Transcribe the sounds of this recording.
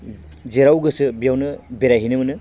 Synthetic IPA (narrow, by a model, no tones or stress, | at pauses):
zeɾawɡɯsɯbijawnɯbeɾajɦinɯmɯnɯ